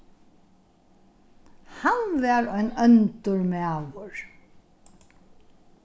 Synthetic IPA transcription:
hanʋæːɹœʏnœnt̪əɹmeaʋəɹ

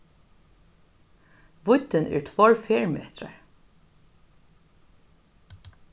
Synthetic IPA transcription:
ʋʊt̪ːɪnʔɛ̰ːɹt̪ʰvɔɹfeːɹmḛːt̪ɾa̰ɹ

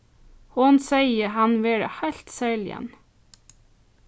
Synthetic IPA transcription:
hʊnsæɪəhɑnʋeːɖə̰hæɪlt̪sæːɭɪ̰ə̰n

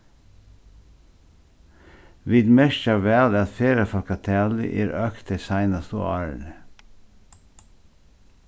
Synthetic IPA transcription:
ʋiːd̪mɛʃt͡ʃɑʋæːd̪əɑt̪feːɾəfɔlkɑt̪ʰæːlɪ̰ʔeːɾʔøːkt̪əsæɪnɑst̪o̰ɑ̰ːɹə̰ɳə

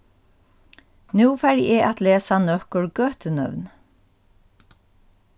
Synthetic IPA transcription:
nʉːfæɾjɛːʔat̪leːsanœkəɹɡøːt̪ənœ̰ʋn

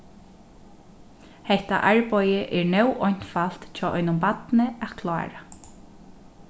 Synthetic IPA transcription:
hɛht̪a̰ʔaɹpɔjəʔɛɹnɛwʔɔɲ̥t̪fal̥t̪t͡ʃʰɔːʔɔʏjnʊmpat̪nəatkʰla̰ːɹa

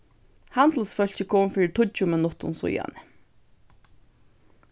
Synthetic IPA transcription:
hand̪l̩sfœl̥t͡ɕəkʰɔmfʏt̪ʰʊt͡ɕʊmɪnʊt̪ʊ̰nsʊ̰ja̰nɪ

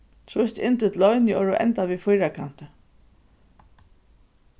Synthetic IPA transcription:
t̪ʰɾʊst̪ɪ̰nt̪ʏt̪lɔʏnɪɔɹʊʔɛ̰nt̪aʋiːfʊjɾakʰan̥t̪ə

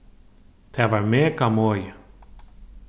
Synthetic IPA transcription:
t̪ʰavaɾmɛːkamɔːjɪ

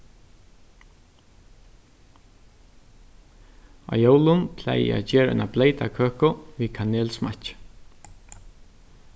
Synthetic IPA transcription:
ɑ̰ːjowlʊnpʰlɛ̰j̰æ̰d͡ʒeːɾɛ̰ɪnableɪjt̪akʰøːkʊʋiːkʰaneːlsma̰

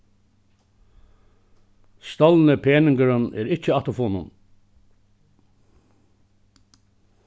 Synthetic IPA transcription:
st̪ɔlnəpʰeːnɪŋɡəɾənɛ̰ːɾɪt͡ʃəɑt̪ʊfoːnʊn

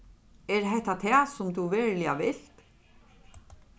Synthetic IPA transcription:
ɛɹɦɛht̪at̪ʰɛːsʊmd̪uʋɛːɹlɪaʋɪl̥t̪

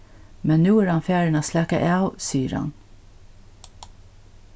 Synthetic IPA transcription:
mɛnnuːæːɾɑnfjæːɹəɳɑːslækə̰ʔæʉsiːəɾɑ̰n

